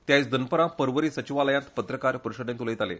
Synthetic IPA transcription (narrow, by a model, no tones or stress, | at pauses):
t̪jajt͡sd̪ənpəɾãpəɾʋəɾiːsət͡ɕiʋaləjãnt̪pət̪ɾəkaɾpəɾuɕəd̪ent̪uləjt̪alḛ